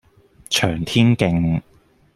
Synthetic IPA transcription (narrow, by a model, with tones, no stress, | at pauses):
t͡ʃʰœː˨˩ŋt̪ʰiː˥nkɪ˧ŋ